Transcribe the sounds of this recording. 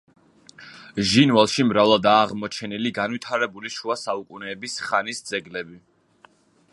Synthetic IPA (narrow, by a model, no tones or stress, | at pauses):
ʒinvalˠʃimɾavlad̪aːʁmɔt͡ʃʰɛniliɡanwit̪ʰaɾɛbuliʃuasaukʼunɛːbisχanisd̪zɛɡlɛbi